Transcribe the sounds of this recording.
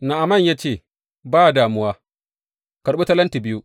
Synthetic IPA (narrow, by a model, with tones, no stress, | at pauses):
na˨ʔa˨mɐ˦˨ɲjaː˦t͡ʃeː˦˨ | baː˦˨daː˨mʊ˦waː˦ | kɐ˨ɽɓu˦ta˦lɐ˦nti˨bɪ˦ju˦